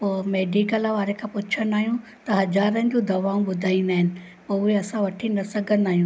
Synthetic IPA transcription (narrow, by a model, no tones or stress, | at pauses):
poːmeːɖikəlʋaːɾekʰãːpʊt͡ɕʰənaːɦijũ | t̪ɐɦɐzaːɾənɪ̃̆d͡ʑõd̪ʱɐʋaːũɓʊd̪ʱaːĩnd̪aːɦɪnɪ̆ | poʊɦeɐsãʋɐʈʰinɐsɐɡʱən̆aːɦijũː